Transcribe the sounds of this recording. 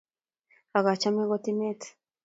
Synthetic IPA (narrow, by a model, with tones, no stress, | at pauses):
a˨ɣa˨t͡ʃa˦me˦ɣo˦t̪i˦me˦t̪